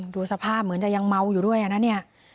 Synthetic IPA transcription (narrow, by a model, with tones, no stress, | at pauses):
duː˧sa˧pʰaː˥˩p̚mɯ˩˦ənt͡ɕa˨˩ja˧ŋma˧wjuː˨˩du˥˩əjʔa˧na˦˥ni˥˩ɐ